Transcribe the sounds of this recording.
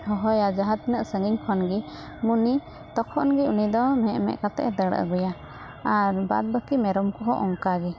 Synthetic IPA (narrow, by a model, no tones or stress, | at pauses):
ɦɔɦɔjad͡ʒaɦat̪̚nəʔsəŋiɲkʰɔnɡi | muni | t̪ɔkʰɔʔnɡiunid̪ɔmɛʔmɛ̰ʔkat̪ɛ̰ʔɛd̪əɽ̰ʔə̰ɡɔja | aɾba̰d̪̚bəkimɛɾɔmkɔɦɔʔɔŋkaɡi